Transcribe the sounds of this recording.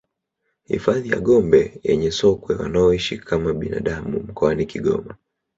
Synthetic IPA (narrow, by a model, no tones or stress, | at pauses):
hḭfaðija̰ɠɔmbɛjɛɲɛsɔkwɛwa̰naɔiʃikʰamaɓina̰ɗamum̩kɔanikiɠɔ̰ma